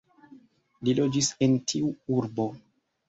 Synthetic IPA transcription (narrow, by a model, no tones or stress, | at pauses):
lilo̞d͡ʒisentʰiuuɾbo̞